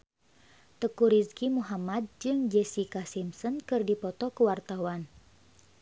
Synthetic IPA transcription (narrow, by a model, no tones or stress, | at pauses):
t̪əkuɾiskimuɦamad̚d͡ʒɨŋd͡ʒɛsikasimsɔnkɨrdipɔt̪ɔkuwart̪awan